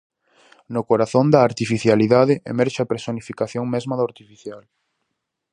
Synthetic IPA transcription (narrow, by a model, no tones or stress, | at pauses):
nʊkoɾaθond̪ɐːɾt̪ifiθjaliðaðɪʔḛmɛɾʃɪapɾesonifikaθjoŋmɛzmɐðoɾt̪ifiθjal